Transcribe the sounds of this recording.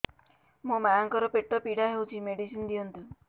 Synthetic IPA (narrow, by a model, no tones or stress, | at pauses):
mũmaaŋkɔɾɔpeʈːɔpiɽaɦewt͡ʃʰimeɽisind̪ijɔnt̪i